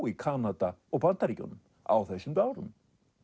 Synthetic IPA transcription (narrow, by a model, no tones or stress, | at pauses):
ikʰanat̪aɔɣpant̪aɾica̰nʏm | a̰wθɛsːʏmt̪aːwɾʏ̰m